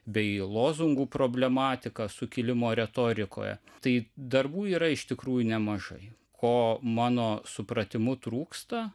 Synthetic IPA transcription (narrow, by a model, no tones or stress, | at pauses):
bʲɛɪlˠoːzʊŋɡuːpɾoːbʲlʲɛmɑːt̪ʲɪkɐsʊkʲɪlʲɪmoːɾʲɛt̪oːɾʲɪko̰ːjɛ̰t̪ɐɪd̪ɐrbuːiːɾɐɪʃt̪ʲɪkɾuːjʊnʲɛmɐʒɐ̰ɪ | kʰoːmɑːnoːsʊpɾɐt̪ʲɪmʊt̪ɾuːkst̪ɐ